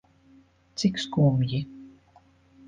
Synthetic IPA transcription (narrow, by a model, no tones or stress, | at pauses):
t͡sikskuːmji